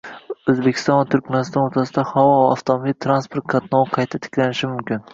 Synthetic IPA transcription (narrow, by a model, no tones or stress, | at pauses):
ɵzbekʲʰɪ̥st̪ɒnvat̪ʰʊɾkʲmanɪst̪ɒnot̪ʰasɪd̪ahavɒvaːft̪ʰomobilt̪ʰɾanspʰoɾt̪̚kʰat̪nɒwqʰɑjt̪ʰat̪ʰɪ̥kʲlanɪʃɪmʊmkʲɪn